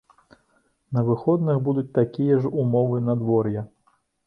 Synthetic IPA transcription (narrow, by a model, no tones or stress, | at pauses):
nɐvɨxɔd̪nɨxbud̪ut͡sʲt̪akʲijɐʐumɔvɨnɐd̪vɔrjɐ